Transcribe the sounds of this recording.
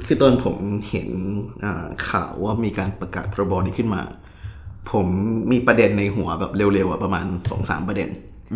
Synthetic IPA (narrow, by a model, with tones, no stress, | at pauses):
t̪ʰɯː˥˩t̪o˧npʰo˩˦mhḛ˩˦nʔa̰ː˨˩kʰa̰ː˨˩wːaː˥˩miː˧kaː˧npɾa˧ka̰ː˨˩t̪̚pʰɔː˧ɾa˧bɔː˧niː˦˥˩kʰɯ˥˩nma̰ː˧ | pʰo˩˦mːiː˧pɾa˧de˧nːa˧jɦu˩˦ɐbɛː˨˩p̚le˧wle˧wʔa˨˩pɾa˧maː˧nsɔ̰ː˩˦ŋsa̰ː˩˦mpɾa˧dḛ˧n